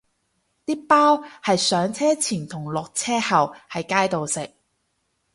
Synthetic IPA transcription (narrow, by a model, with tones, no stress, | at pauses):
t̪iː˥paː˥whɐ˨jsœː˨˥ŋt͡sʰɛː˥t͡sʰiː˨˩nt̪ʰʊ˨˩ŋlɔː˨k̚t͡sʰɛː˥hɐ˨whɐ˨jkaː˥jt̪o˨wsɪ˨k̚